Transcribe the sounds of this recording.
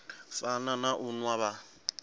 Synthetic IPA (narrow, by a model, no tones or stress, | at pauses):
fananaʔʊnwaβa